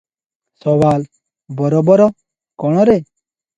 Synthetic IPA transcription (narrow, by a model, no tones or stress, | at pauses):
sɔwaːl | bɔɾɔbɔɾɔ | kɔɽ̃ɔɾe